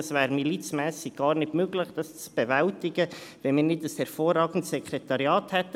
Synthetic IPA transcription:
svæːɾmilit͡smɛːsɪɡ̥̚ɡ̥ɑːɾnɪdmøɡlɪχd̥ɑst͡sb̥ɛvæltɪɡəvɛnmiːɾnɪt̚əshɛɾfoːrɑːɡən̩tsɛkʰɾɛtɑɾjɑːthɛtːə

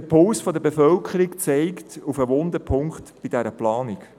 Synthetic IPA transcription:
əpʰʊlsfɔd̪əbefœlkʰəɾikt͡sɛɪktufəʋʊnd̪əpʰʊŋktb̥id̥ɛɾəplɑːnik

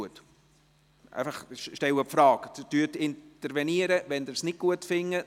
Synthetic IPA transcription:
ət | ʔæ̰ɪfɑχʃʃtɛwəpfɾɑːkd̥̪tyːtɪnt̪əɾʋɛniəɾəʋɛnd̪ɪɾsnɪk̚kuətfɪŋːə

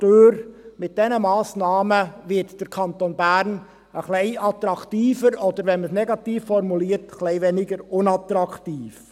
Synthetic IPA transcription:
tøːɾmɪt̚d̥ɛnəmɑːsnɑːməʋɪtd̥əɾkʰɑnt̪onbæɾn | əχlɛɪʔɑt̪ɾɑktiːfəɾɔd̪əɾʋɛnməsnɛɡɑt̪iːfːɔrmuliːəɾtχlɛɪvɛnɪɡəɾʊnɑt̪ɾɑktiːf

